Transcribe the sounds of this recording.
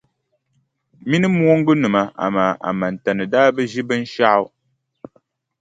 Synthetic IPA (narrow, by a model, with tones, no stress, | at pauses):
mi˦nɨ˦mu˦o˦ŋ̩˦ɡɨ˦nɨ˨ma˨ʔa̰˨ma˨a̰˨ma˨n̩˨tɛ˨nɨ˨daː˦bə˦ʒi˦bə˦n̩˦ʃa˦w